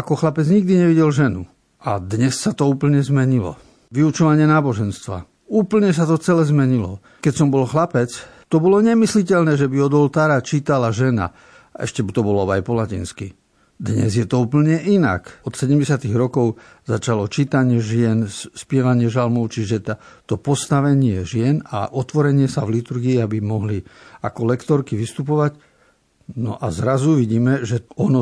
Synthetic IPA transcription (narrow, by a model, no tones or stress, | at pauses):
akɔxlapɛd͡zɲiɡ̚d̪iɲɛʋiɟɛlʒɛnu | ad̪ɲɛsːat̪ɔuːpl̩ɲɛzmɛɲilɔ̰ | ʋiut͡ʃɔʋaɲɪɛnaːbɔʒɛnst̪ʋa̰ | uːpl̩ɲɛs̬at̪ɔt͡sɛlɛzmɛɲilɔ | kɛcsɔmbɔlxlapɛt͡s | t̪ɔbɔlɔɲɛmislicɛʎnɛːʒɛbiɔd̪ɔlt̪aːɾat͡ʃiːt̪alaʒɛna̰ | ɛ̰ʃcɛt̪ɔbɔlɔa̰jpɔlacḭnski | d̪ɲɛ̰zjɛt̪ɔuːpl̩ɲɛʔina̰kɔt̪sɛɟɛmɟɛsɪat̪iɣɾɔkɔʊ | zat͡ʃalɔt͡ʃiːt̪aɲɪɛʒɪɛnspɪɛʋaɲɪɛʒalmɔʊt͡ʃiʒɛt̪at̪ɔpɔst̪aʋɛɲɪɛʒɪɛna̰ʔɔt̪ʋɔɾɛɲɪɛsavlit̪uɾɡiːabimɔɦlia̰kɔlɛkt̪ɔɾkiʋist̪up̬ɔʋac | nɔ̰ʔa̰zɾazuʋiɟiːmɛʒɛɔnɔ